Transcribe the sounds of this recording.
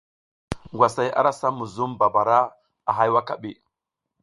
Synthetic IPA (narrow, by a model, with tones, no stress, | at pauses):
ŋɡwa˨sa˨ja̰˦ɾa˦sa˦mu˨zu˦mba˨ba˨ɾa˦ | a̰˨ɦa˦jwa˦ka˦ɓi˦˨